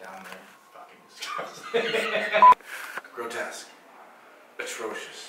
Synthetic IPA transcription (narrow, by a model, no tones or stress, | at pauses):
d̥ãʊ̃nɪn | fʌkɪ̃ŋɪskat | ɡ̥ɹoʊtʰɛsk | ɨtʰɹ̥oʊʃɨs